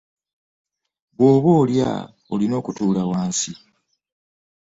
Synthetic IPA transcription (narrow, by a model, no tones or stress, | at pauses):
βwo̞ːβo̞ːlja̰ | olino̞ːkutuːlawaːnsi